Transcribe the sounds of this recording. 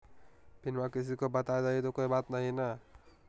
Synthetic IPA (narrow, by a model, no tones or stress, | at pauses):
pinmakis̬ikobʌt̪aed̪aɦit̪okoibat̪nʌɦinʌ